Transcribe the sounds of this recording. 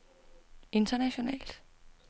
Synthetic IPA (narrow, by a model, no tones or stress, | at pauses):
ɪ̝nt͡sʰɐnæɕonɛ̰ld̥